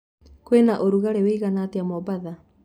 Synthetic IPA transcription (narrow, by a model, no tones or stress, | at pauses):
kwenaʔoɾuɣaɾeweiɣanateamɔbaða